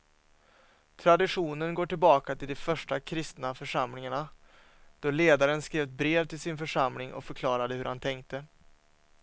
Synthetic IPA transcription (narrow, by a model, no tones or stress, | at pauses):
t̪ʰɾad̪ɪɧuːnənɡoːʈɪlbɑːkat̪ʰɪld̪ɔfœʂʈakʰɾɪst̪nafœʂamlɪŋaɳa | d̪̥ɔleːd̪aɾənskɾeːvt̪̚bɾeːvt̪ʰɪlsɪnfœʂamlɪŋʔɔ̰kfœɾkʰlɑːɾad̪əhɵɾhant̪ʰɛŋkt̪ə